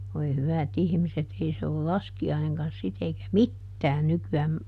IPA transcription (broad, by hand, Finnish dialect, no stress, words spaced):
ʋoi hyʋæt ihmiset ei se ol lɑskiɑineŋkɑn sit eikæ mitːæːn nykyæːm